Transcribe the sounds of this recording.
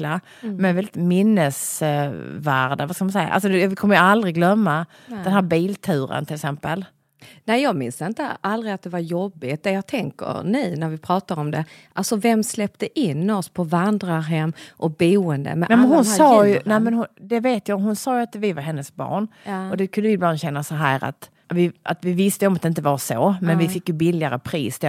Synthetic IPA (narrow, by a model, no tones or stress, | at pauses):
la | mɛvɛlɪt̪mɪnːəs | væɾd̪avaskamʊnsɛjːa̰ʔa̰ls̬ɔvɪkʰɔmːəɾjəald̪ɾɪɡlœmːa | d̪ɛnɦæːɾbiːlt̪ʰʉːɾə̰nt̪ʰɪlɪksɛmpəl | nɛɪjɑːɡmɪnsd̪ɪnt̪əald̪ɾɪat̪̚d̪ɛvaɾjɔbːɪt̪̚d̪ɛjɑːɡ̚t̪ʰɛŋkə̰ɾnɛjnæɾvɪpʰɾɑːt̪aɾɔmd̪ɛʔalsɔvɛmːslɛpt̪əʔɪnːɔspʰɔvand̪ɾaɾɦɛmːʔɔk̚buːənd̪ə̰mɛʔnɛamɛnɦʊnːsɑːjnɛɪmɛnhʊd̪ɛveːt̪jɑːɦʊnsɑːjɵat̪vɪvaɾɦɛnːəsbɑ̰ːɳɔd̪ɛkʰɵnd̪əvɪbland̪ɕɛnːasɔɦæːɾa̰t̪ | vɪa̰t̪vɪvɪst̪əjɔmat̪d̪ɛɪnt̪̬əvaɾsomɛnvɪfɪkːjɵbɪlːɪaɾəpʰɾiːsd̪ɛ